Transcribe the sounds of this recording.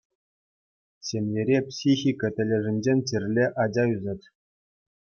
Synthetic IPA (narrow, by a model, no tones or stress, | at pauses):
ɕʲemʲjʲeɾʲepsʲixʲikɤ̆tʲɘ̆lʲĕʐɘ̆nʲd͡ʑenʲt͡ɕirʲlʲeʔɑd͡ʑɑyzɤt̪ʲ